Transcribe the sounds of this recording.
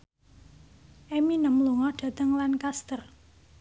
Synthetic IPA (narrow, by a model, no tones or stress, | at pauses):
ʔɛminəmluŋɔɖ̥a̤t̪əŋlankast̪ər